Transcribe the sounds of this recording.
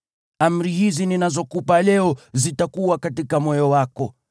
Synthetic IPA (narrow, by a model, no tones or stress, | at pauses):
am̩ɾihizininazɔkupalɛɔzitakuwakatikamɔjɔwakɔ